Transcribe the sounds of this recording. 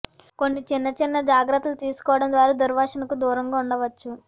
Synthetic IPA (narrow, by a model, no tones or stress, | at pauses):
ko̞nːit͡ʃinːɐt͡ʃinːɐd͡ʒaːɡɾɐt̪ːɐlut̪iːsu̥kɔːʋɐɽɐnd̪ʋaːɾud̪uɾʋaːʂɐnɐkud̪uːɾɐŋɡaːuɳɖɐʋɐt͡ʃːu